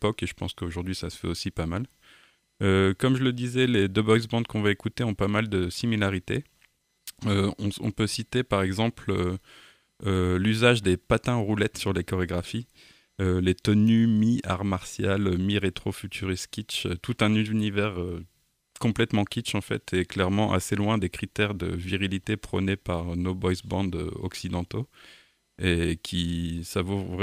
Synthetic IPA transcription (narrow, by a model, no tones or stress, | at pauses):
pɔkeʒəpɑ̰̃skəoʒuʁd̪ɥisasə̥fɛ̰osipamal | økɔmʒələd̪izɛled̪øbɔɡsbɑ̃d̪̚kɔ̃vaekut̪eɔ̃pamald̪əsimilaʁit̪e | øɔ̃ɔ̰̃pøsit̪epaʁɛɡzɑ̃plø | ølyzaʒd̪epat̪ɛ̃ʁulɛt̪syʁlekɔʁeɡʁafi | ølet̪ənymiaʁmaʁsjalmiʁet̪χofyt̪ʰyʁiskʲit͡ʃø̰t̪ut̪ɛ̃nynivɛʁø | kɔ̃plɛt̪mɑ̃kʲit͡ʃɑ̃fɛ̰t̪ʰɛklɛʁmɑ̃ʔa̰selwɛ̃d̪ekχit̪ɛʁd̪ə̰viʁilit̪epχənepaʁnobɔjsbɑ̃d̪ø̰ɔ̰ksid̪ɑ̃t̪o | ekʲʰisavovʁɛ